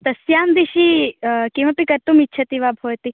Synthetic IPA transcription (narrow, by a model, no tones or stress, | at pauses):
t̪ɐsjaːmd̪iʃikĩʋ̃ɐpikɐɾt̪umitːt͡ʃʰɐt̪iʋabʱoːjt̪i